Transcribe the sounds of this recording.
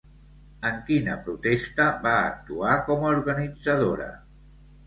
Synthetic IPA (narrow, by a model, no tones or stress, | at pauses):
əŋkinəpɾut̪est̪əba̰ːk̚t̪uakɔmauɾɣənid͡zəð̞oɾə̰